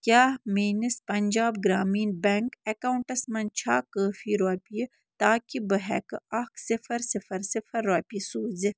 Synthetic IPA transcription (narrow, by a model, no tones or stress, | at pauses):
kʲjaːmiːnɐspɐnd͡ʒaːbɡɾaːmiːnbɛŋkekaːwuɳʈɐsmɐnt͡ʃʰaːkəːfiːɾoːpij | t̪aːkibəɦɛ̰kɐksɪfɐɾsɪfɐɾsɪfɐɾːoːpisuːz